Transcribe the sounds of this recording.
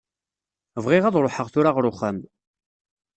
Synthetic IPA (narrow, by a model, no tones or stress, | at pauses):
vʁɪʁæðˤɾˤoħəʁθʊɾaʁɾˤʊχːəm